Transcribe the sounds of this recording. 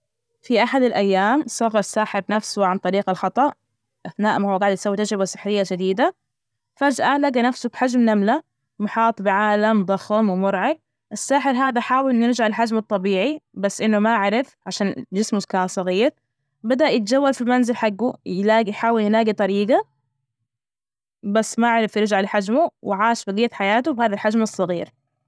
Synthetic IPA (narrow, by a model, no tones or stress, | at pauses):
fiʔaħad̪alʔajːaːmsˤɑɣːɑsːaːħɪɾnafsuwʕant̪ˤɑɾiːɡalxɑt̪ˤɑʔ | ʔaθnaːʔmahuːɡaːʕɪd̪sawːit̪ad͡ʒɾɪbasɪ̥ħɾɪjːad͡ʒad̪iːd̪a | fad͡ʒʔalaɡanafsʊbħad͡ʒmnamla | mʊħɑːt̪ˤbɪʕaːlamd̪ˤɑxmwmʊɾʕɪb̚ | ʔɪsːaːħɪɾɦaːd̪aħaːwɪlnɪɾd͡ʒʕalħad͡ʒmɑt̪ˤːɑbiːʕibasːʔɪnːumaʔaʕɾɪfʕaʃaːnd͡ʒɪsmʊzkaːsˤɑɣiːɾ | bad̪aʔjɪt̪̚d͡ʒawːalfilmanzɪlħaɡːujlaːɡijħaːwɪljnaːɡit̪ˤɑɾiːɡa | basːmaʔaʕɾˤɪfjɪɾd͡ʒʕalħad͡ʒmuwɪʕaːʃbaɡiːt̪ħajaːt̪ubhaːðalħad͡ʒmɨsˤːɑɣiːɾ